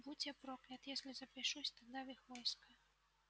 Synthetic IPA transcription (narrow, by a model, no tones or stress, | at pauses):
but͡sʲɛpɾɔklʲɐt̪jasʲlʲizɐpʲɛʂusʲt̪ad̪avɨxvɔjskɐ